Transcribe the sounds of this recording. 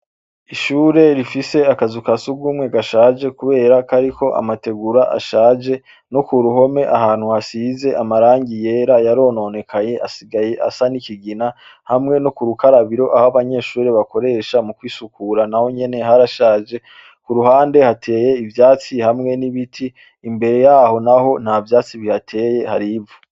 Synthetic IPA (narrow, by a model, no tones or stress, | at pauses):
iʃuːɾe̞ɾifise̞akazukasuɡɡumŋeɡaʃaːd͡ʒe̞kuβe̞ːɾakaɾikʰo̞ʔa̰mate̞ɡuɾaʔa̰ʃaːd͡ʒe̞ | nokuɾuɦo̞me̞ʔahaːn̥huhasize̞ʔamaɾaːɲɟije̞ːɾajaɾo̞ːno̞ne̞kʰaɲe̞ʔasiɡaje̞ʔa̰sanikiɡina | hamŋe̞nokuɾukaɾaβiɾo̞ʔahaβaɲe̞ːʃuːɾeβako̞ɾe̞ːʃamukwiːsukuɾanaho̞ɲe̞ne̞ɦaɾaʃaːd͡ʒe̞ | kuɾuhaːnde̞hatʰe̞ːje̞ivjaːt͡sihamŋe̞niβitʰiː | mbe̞ɾe̞jaːho̞naho̞n̥havjaːt͡siβihatʰe̞ːje̞haɾivu